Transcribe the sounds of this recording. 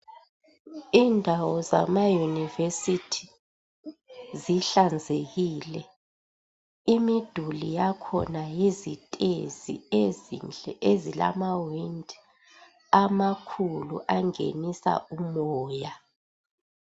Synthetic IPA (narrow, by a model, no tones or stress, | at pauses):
indʱawɔza̰majunivesitʰi̥ | ziɬand͡zʱeɣiːlɛ | imid̥ʱulijakʰɔ̰najizitʼḛzḭeznɛezila̰mawindʱ | amakʰuluʔaŋḛnisa̰ʔumɔːja